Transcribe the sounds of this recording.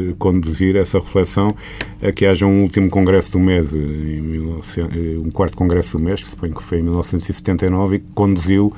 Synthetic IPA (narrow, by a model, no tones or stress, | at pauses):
kõnd̪uziɾɛsɐʁɨflˠɛsɐ̃w̃ | ɐkɨaʒɐũulˠt̪imukõŋɡɾɛsuðumezẽj̃milˠnɔvsẽũkwaɾt̪u̥kõɡɾɛsuðumeʃksu̥poɲkfojẽjmilˠnɔvsẽnt̪uz̥isɨ̥t̪ẽnt̪ɐjnɔvikkõnd̪uziw